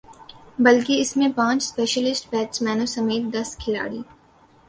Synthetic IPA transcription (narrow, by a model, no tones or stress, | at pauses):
bɐlkiɪsmẽpãːt͡ʃspeːʃəlɪsʈpɛːʈsmɛːnusɐmeːt̪̚d̪ɐskʰɪla̰ːɽiː